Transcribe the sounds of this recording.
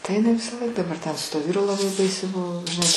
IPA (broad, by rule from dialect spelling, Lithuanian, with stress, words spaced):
tɐɪ ɪˈnɐɪ ʋʲɪsɐˈlˠɐɪk dɐˈbɐr tʲɛn sʊ tuɔ ˈʋʲiːrʊ lˠɐˈbɐɪ ˈbɐɪsʲɛɪ ˈbʊʋoː ʒʲɪˈnɐɪ